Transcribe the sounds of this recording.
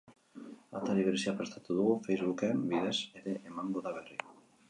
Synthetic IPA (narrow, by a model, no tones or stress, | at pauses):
at̪aliβeɾsiapaɾest̪at̪uðuɣofejzβukembiðeseɾeʔemaŋboðaβeri